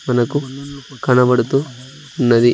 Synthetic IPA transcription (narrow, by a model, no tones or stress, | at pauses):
mɐnɐkukɐnɐbɐɽut̪u | ɐnːɐd̪i